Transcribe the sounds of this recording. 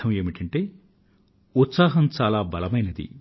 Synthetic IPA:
ɐme̞ːmiʈɐɳʈeː | ut̪saːɦɐmt͡ʃaːlaːbɐlɐmɐjnɐd̪ḭ

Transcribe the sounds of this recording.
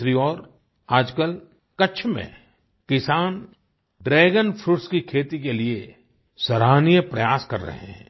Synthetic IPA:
ɾiɔːɾ | aːd͡ʒkəl | kɐt͡ʃʰmḛ̃ | kɪsaːn | ɖɾeːɡənpʰɾʊʈskikʰeːt̪ikelie | sɐɾaːnijəpɾɐjaːskɐ̰ɾːə̰ɦɛ̰̃

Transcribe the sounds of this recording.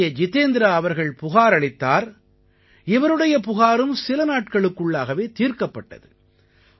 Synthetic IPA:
jɐd͡ʒɪt̪eːnd̪ɪɾaːʋɐɾɣɐɭpʊɣaːɾɐɭɪt̪ːaːɾ | ɪʋɐɾɯɽɐjɐpʊɣaːɾɯmsɪlɐnaːʈ̚kɐɭɯkːɯɭːaːɣɐʋeːt̪iːɾkɐpːɐʈːɐ̰ðɯ

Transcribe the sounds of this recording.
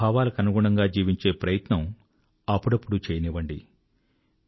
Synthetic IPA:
aːʋaːlɐkɐnuɡuɳɐŋɡaːd͡ʒiːʋiɲt͡ʃe̞ːpɾɐjɐt̪nɐm | ɐpːuɽɐpːuɽut͡ʃeːjɐnɛːʋɐɳɖḭ

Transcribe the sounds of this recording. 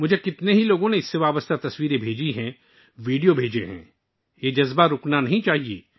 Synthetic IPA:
mʊd͡ʒʱekɪt̪neɦiloːɡõneɪsːeʋaːbəst̪ʰat̪ɐswiːɾẽbʱeːd͡ʒiɦɛ̃ | ʋiːɖijobʱeːd͡ʒeɦɛ̰̃ | jed͡ʒɐzbaɾʊknanɐɦĩt͡ʃaːɦiḛː

